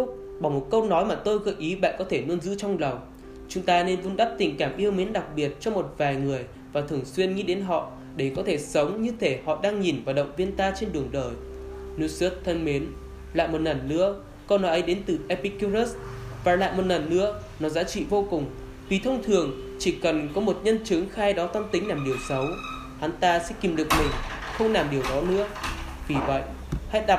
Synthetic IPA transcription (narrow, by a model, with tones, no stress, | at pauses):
ʊ˦˥ | ɓa˧˩mo˨˩t̚kə˧wnɔ˨˦jmaː˨˩t̪o˧jɣə˧˩ʔi˨˦ɓa̰ː˧˨nkɔ˨˦t̪ʰe˧˩nu˧ənzɨ̰˧˥t͡ɕɔ˧wŋ͡mlə˨˩w | t͡ɕʊ˨˦ŋ͡mt̪aː˧ne˧nvu˧nɗa˦˥p̚t̪ï˨˩ŋ̟kaː˧˩mʔi˧əwme˨˦nɗa˨˩k̚ɓi˨˩ət̚t͡ɕɔ˧ŋ͡mmo˨˩t̚vaː˨˩jŋɨ˨˩əj | vaː˨˩t̪ʰɨ˨˧˩əŋswi˧ənŋi˧ɗe˨˦nɦɔ̰˧˨ | ɗe˧˩kɔ˨˦t̪ʰe˧˩sə˨˦wŋ͡mɲɨ˧t̪ʰe˧˩hɔ̰˧˨ɗaː˧ŋɲi˨˩nvaː˨˩wɗə̰˧˨wŋ͡mvi˧ənt̪aː˧t͡ɕe˧nɗɨ˨˩əŋɗəː˨˩j | nu˧sə˦˥t̚t̪ʰːə˧nme˨˦n | la̰ː˧˨jmo˨˩t̚naː˨˩nːɨ̰˧˥ə | kɔ˧nːɔ˨˦ʔə˨˦jɗe˨˦nt̪ɨ˨˩ʔɛ˧pi˧ku˧zə˦˥svaː˨˩la̰ː˧˨jmo˨˩t̚na˨˩nːɨ̰˧˥ə | nɔ˨˦zaː˨˦t͡ɕḭ˧˨vo˧kʊ˨˩ŋ͡m | vi˨˩t̪ʰə˧wŋ͡mt̪ʰɨ˨˩əŋ | t͡ɕi˧˩kə˨˩nkɔ˨˦mo˨˩t̚ɲə˧nt͡ɕɨ˨˦əŋxaː˧jɗɔ˨˦t̪a˧mt̪ï˨˦ŋ̟laː˨˩mɗi˨˩əwsə˨˦w | ha˨˦nt̪aː˧sɛ̰˧˥ki˨˩mɗɨ˨˩ək̚mï˨˩ŋ̟xə˧wŋ͡mlaː˨˩mɗi˨˩əwɗɔ˨˦nɨ̰˧˥əvi˨˩və̰˧˨jʔ | ha̰˧˥jɗa˨˩p̚